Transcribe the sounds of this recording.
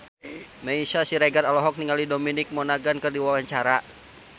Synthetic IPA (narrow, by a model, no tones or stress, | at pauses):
mɛiʃasiɾɛɡaralɔɦɔk̚niŋalidominɪk̚mɔnaɡankɨrdiwawaɲt͡ʃaɾa